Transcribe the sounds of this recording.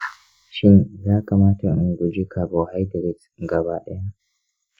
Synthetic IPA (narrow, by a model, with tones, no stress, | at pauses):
ʃɪ˦nzaː˦kaː˨maː˦ta˨ʔʊ˨ŋɡʷu˨d͡ʒi˦kʰa˨bo˨ha˦jdɔ˨ɾɪ˦t | ɡa˨baː˦ɗɐ˦ja˦